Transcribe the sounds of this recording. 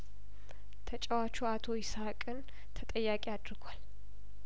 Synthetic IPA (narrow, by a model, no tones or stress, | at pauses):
t̪ʰət͡ʃʼɛwat͡ʃːuat̪ʰo̞ɪsakʼɨn | t̪ʰət̪ʼəjːakʼiad̪ɾɨɡʷal